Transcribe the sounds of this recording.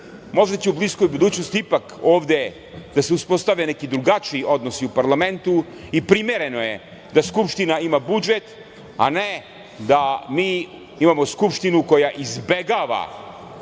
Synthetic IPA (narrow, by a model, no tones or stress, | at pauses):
mo̞ʒd̪at͡ɕeublisko̞jbud̪uːt͡ɕnost̪iipakoːʋd̪e | d̪̥aseuspo̞st̪aʋenekid̪ɾuɡat͡ʃiiʔo̞d̪nosiupaɾlˠame̞nt̪u | ipɾimeɾe̞no̞je | d̪askupʂt̪inaimabud͡ʒet̪ | a̰ne | d̪amiː | imamo̞skupʃt̪inuko̞jaʔizbe̞ɡaʋa̰